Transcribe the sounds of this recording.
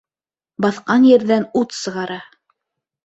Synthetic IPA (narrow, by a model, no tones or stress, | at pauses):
bɑθqɑnjɘ̆ɾðænut̪sɤ̆ʁɑɾɑ